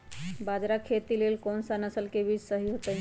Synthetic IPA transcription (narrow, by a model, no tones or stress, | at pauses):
bad͡ʒɾakʰet̪ilelkɔnsənəsəlkebid͡ʒsəɦiɦot̪ə